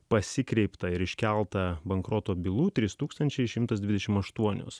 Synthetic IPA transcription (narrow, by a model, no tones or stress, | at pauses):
pɐsʲɪkɾʲɛɪpt̪ɐɪɾɪʃʲkʲɛlˠt̪ɐbɐŋkɾoːt̪oːbʲɪlˠuːt̪ʲɾʲɪst̪uːkst̪ɐnʲt͡ʃʲɛɪʃʲɪmt̪ɐsd̪ʲʋʲɪd̪ʲɛʃʲɪmɐʃt̪uɔnʲʊ̰s